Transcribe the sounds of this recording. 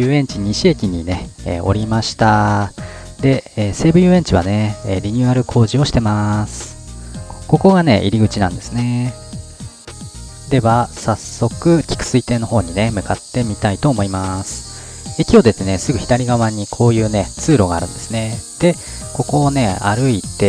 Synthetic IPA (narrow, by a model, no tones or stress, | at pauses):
ɯːẽ̞ɲt͡ɕiɲ̟iɕiekʲiɲ̟ine̞ḛo̞̰ɾʲimaɕi̥t̪a | d̪e̞eːse̞ːbɯjɯ̟ːẽ̞ɲt͡ɕiβ̞a̰ne̞eɾʲiɲ̟ɨaɾɯ̟kʰo̞ːʑio̞ɕi̥t̪e̞masɨ̥ | ko̞ko̞ɡane̞̰ʔḭɾʲiɡɯ̟t͡ɕinã̰nd̪e̞sɨne̞ | d̪e̞βasasːo̞kɯ̟kʲi̥kɯ̟̥sɨit̪e̞ːnoɦo̞ːɲ̟ine̞mɯ̟kat̪ːe̞mʲit̪ait̪o̞ːmo̞imasɨ̥ | ekʲio̞d̪e̞t̪ːe̞ne̞sɨɡɯ̟çi̥d̪aɾʲiɡaβaɲ̟ikʰo̞ːjɯ̟ːne̞t͡sɨːɾo̞ɡaːɾɯ̟̃nd̪̥e̞sɨne̞d̪̥e̞ko̞ko̞ːne̞a̰ɾɯ̟it̪e̞